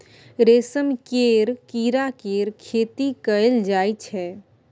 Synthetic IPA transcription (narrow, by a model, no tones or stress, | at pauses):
ɾeːsəmkeɾkiːɾakeːɾkʰeːt̪ikəld͡ʒaːjt͡ʃʰɛ